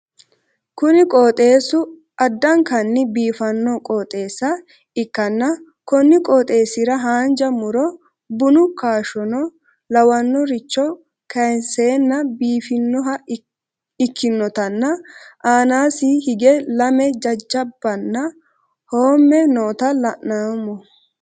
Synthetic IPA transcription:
kʊnɪkʼoːt̪ʼe̞ːsʊ | ʔɐd̪ːɐŋkɐnːɪbiːfɐnːɔkʼoːt̪ʼe̞ːsːɐ | ɪkːɐnːɐ | kɔnːɪkʼɔːt̪ʼe̞ːsɪɾɐɦaːnd͡ʒɐmʊɾɔ | bʊnʊkaːʃɔnɔ | lɐwɐnːɔɾɪt͡ʃːɔ | kʰɐjnseːnːɐbiːfɪnːɔɦɐ | ɪkʰːɪnːɔt̪ɐnːɐʔaːnaːsɪhɪɡɛlɐmɛd͡ʒɐd͡ʒːɐbːɐnːɐ | hoːmːɛnoːt̪ɐlɐʔnaːmɔ

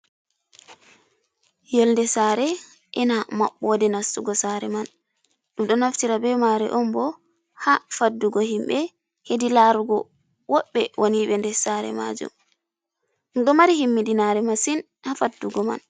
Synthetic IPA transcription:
jɛlndɛsaɾɛ | ʔɛnamaɓːɔdɛnasuɡɔsaɾɛman | ɗumɗɔnaftiɾabɛmaɾɛ̰ʔɔmbɔ | hafadːuɡɔhimɓɛ | hedilaɾuɡɔ̰ | wɔɓːɛwʔoniɓɛndɛsaɾɛ̰ma̰d͡ʒṵm | mɗɔmaɾihimːidinaɾɛmasin | hafadːuɡɔma̰n

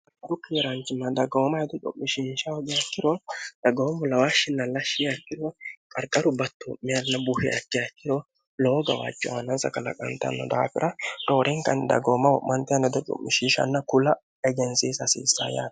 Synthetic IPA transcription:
kːɐɾʊkeːɾant͡ʃɪmːɐd̪ɐɡomɐɛd̪ɛt͡ʃʼʊ̰ʔːɪʃiːnʃɐwɔɡɛɐkːɪɾɔd̪̥ɐɡɐɔmɔlɐwaːʃɪnːɐlɐʃɪɐkːɪɾokʼɐɾkʼɐɾʊbɐt̪ːoʔmɪɐnːɐbuhɪʔɐ̰kːɪɐkːɪɾo | lɔɡɐwa̰ːt͡ʃʼːɔwɐnɐnsɐ̰kɐlɐ̰kʼɐ̰nt̪ɐ̰nːɔ̰d̪ɐa̰fɪɾʔɐd̪oːɾʔeŋkɐ̰nd̪ɐ̰ɡoːmɐwɔʔmːɐnt̪ɪɐnɛd̪ɛt͡ʃʼʊ̰ʔːɪʃiːʃɐ̰nːɐkʊlɐ | ɛɡɛnsiːsɐsḭːsːa̰ːja̰ːt̪

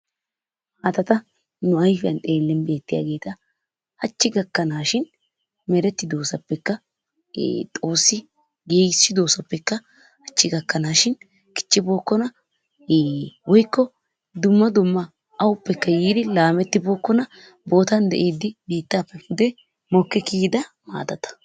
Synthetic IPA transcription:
ʔɐt̪ɐt̪ɐ | nʊɐjfɪjɐ̰nt̪ʼe̞ːlːɛnbe̞ːt̪ːɪja̰ːɡe̞ːt̪ɐ | hɐt͡ʃːɪɡɐkːɐnaːʃɪn | mɛɾɛt̪ːɪd̪o̞ːsɐpːɛkːɐ̰ | t̪ʼo̞ːsːɪ | ɡeːɡsːɪd̪o̞ːsɐpːɛkːɐ | hɐt͡ʃːɪɡɐkːɐnaːʃɪn | kʼɪ̥t͡ʃːɪbo̞ːkːɔnɐ | wɔjkːɔ | d̪ʊmːɐd̪ʊmːɐ | ɐwʊpːɛkːɐjiːd̪ɪlaːmɛt̪ːɪbo̞ːkːɔnɐ | bo̞ːt̪ɐnd̪ɛ̰ʔeːd̪ːɪbiːt̪ːapːɛfʊd̪ɛ | mɔkːɛkiːd̪ɐ | ma̰ːd̪ɐt̪ɐ̥

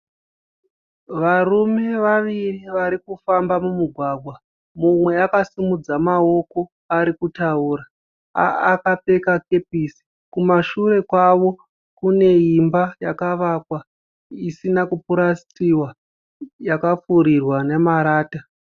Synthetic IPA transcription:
ʋarume̞ʋaʋiriʋaɾikufambamumuɡʱwaɡʱwa | mumwe̞akasimud͡zamao̞ko̞ | aɾikutauːɾaː | kape̞kake̞pisi̥ | kumaʃuɾe̞kwaʋo̞ | kune̞imbajakaʋakwa | isinakupuɾast͡siwa | jakap͡fuɾirwanemaɾaːta

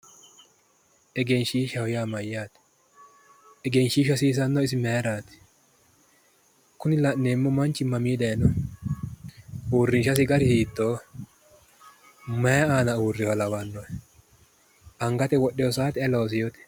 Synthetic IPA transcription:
ʔɛɡɛnʃiːʃɐhɔjaːmɐjːaːt̪ | ɛɡɛnʃiːʃɐsiːs̬ɐnːɔɪs̬ɪmeɾaːt̪ɪ̥ | kʊnɪlɐʔnːeːmːɔmɐnt͡ʃːɪmɐmiːd̪ɐjnɔ | uːrːɪnʃɐs̬ɪɡɐɾɪhiːt̪ːoː | mɐjɐaːnɐuːrːɪwɐlɐwɐnːɔɛ | ɐŋɡɐt̪ɛwɔɗːɛjɔs̬aːt̪ɪɐloːs̬ɪjot̪ɛ̥

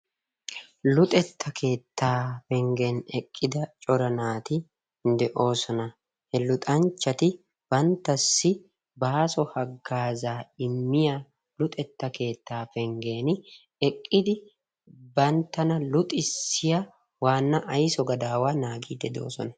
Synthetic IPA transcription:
lʊt̪ʼɛt̪ːɐkʰe̞ːt̪ʰːaːfɛŋɡeːnɛkʼːɪd̪ɐt͡ʃʼɔɾɐnaːt̪ɪ | nd̪ɛʔo̞ːsɔnɐ | hɛlʊt̪ʼɐnt͡ʃːɐt̪ɪ | b̥ɐnt̪ːɐsːɪ | baːsɔhɐɡːaːzaːɪmːɪja | lʊt̪ʼɛt̪ːɐke̞ːt̪ːaːfɛŋɡe̞ːnɪ | ɛkʼːɪd̪ɪ | bɐnt̪ːɐnɐlʊt̪ʼɪsːɪja | waːnːɐʔɐjsɔɡɐd̪aːwaːnaːɡiːd̪ɛd̪o̞̰ːsɔnɐ

